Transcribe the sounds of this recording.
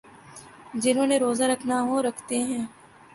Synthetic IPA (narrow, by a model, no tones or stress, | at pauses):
d͡ʒɪnɦõːneɾoːzaɾɐkʰnaɦõɾɐkʰt̪eɦɛ̃ː